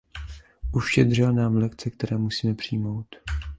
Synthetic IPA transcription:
ʔuʃɛd̪r̝ɪlnaːmlɛkt͡sɛk̚t̪ɛɾɛːmusiːmɛpr̥iːmo̞wt̪

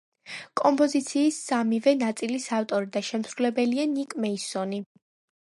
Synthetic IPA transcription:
kʼɔmpʼɔzit̪sʰiːsːamivɛnat̪sʼilisaft̪ʼɔɾid̪aʃɛmsɾulɛbɛlianikʼmɛisɔni

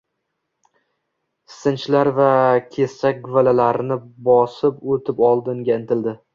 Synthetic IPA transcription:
sɪnt͡ʃlaɾvakʲʰe̞st͡ʃak̚ʲɡʊvalalaɾnɪbɒsɪpot̪ʰɪpɒlˠd̪ɪŋɡʲaɪnt̪ɪld̪ɪ

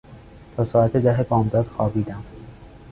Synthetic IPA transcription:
t̪ʰɒːsɒːæt̪ʰed̪æɦebɒːmd̪ɒːd̪̥xɒːbiːd̪æm

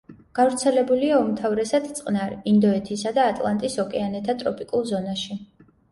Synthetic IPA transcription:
ɡ̥avɾt̪sʰɛlɛbuliaumt̪ʰavɾɛsad̪̥t̪sʼqʼnaɾind̪ɔɛt̪ʰisad̪aːt̪ʼlˠant̪ʼisɔkʼɛanɛt̪ʰat̪ʼɾɔpʼikʼulˠzɔnaʃi

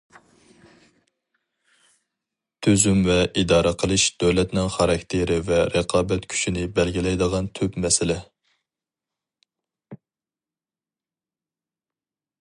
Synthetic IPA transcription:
t̪ʰyzymvɛʔid̪ɑːɾəqʰəlˠɨʃd̪̥øwlɛt̪nɪŋχɑɾɑkʲt̪ʰɪɾɪvɛɾəqʰɑːbɛt̪kʲʰy̥t͡ʃinɪbɛlɡʲilɛjd̪əʁɑnt̪ʰypmɛsɪlɪ

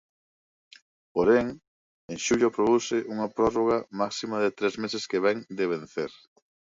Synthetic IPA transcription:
poɾeŋ | eŋʃuʎopɾoðusɪʔuŋɐpɾɔroɣ̞amaksimɐðet̪ɾezmesɪskeβɛŋd̪eβ̞ẽn̟θeɾ

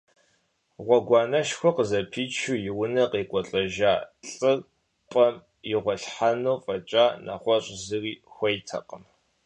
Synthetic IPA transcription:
ʁʷɔɡʷɑːnɐʃxʷɔqəzɐpʰiːt͡ʃʰujɪwʊnɐqiːqʷʼɔɬʼɐʒaːɬʼɨr | pʼɐm | jɪʁʷɔɬħanoːfʼɐt͡ʃʼaːnʔa̰χʷɔɕʼzɨriːxʷɐjtʰɐ̰qəm

